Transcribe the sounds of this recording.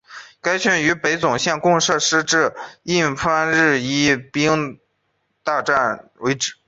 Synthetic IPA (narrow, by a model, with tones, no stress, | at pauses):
ka˥ɪɕy˥˩ny˧˥pe˧˥ɪt͡sʊ˨˩ŋɕjɛ˥˩nkʊ˥˧ŋʂɤ˥˧ʂɻ̩˥ʈ͡ʂɻ̩˥˩i˥˩nfʰa˥nɻɻ̩˥˩i˥˩pi˥ŋ | t̪a˥˧ʈ͡ʂa˥˩nwe˧˥ɪʈ͡ʂɻ̩˨˩˦